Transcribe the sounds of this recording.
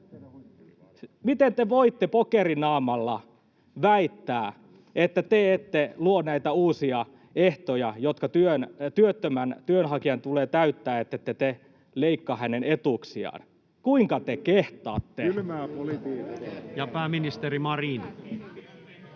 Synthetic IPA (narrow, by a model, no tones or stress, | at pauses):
mit̪ent̪eʋoit̪ːepokerinɑːmɑlːɑ | ʋæit̪ːæː | et̪ːæt̪eet̪ːeluonæit̪æuːsiɑ | eht̪ojɑjot̪kɑt̪yønt̪yøt̪ːømænt̪yønɦɑkiɑnt̪uleːt̪æyt̪ːæːet̪ːet̪ːet̪e | leikːɑhænenet̪uksiɑ̰n | kuiŋkɑt̪ekeht̪ɑ̰ːt̪ːeylmæːpolit̪iːjɑpæːminist̪erimɑrinɑ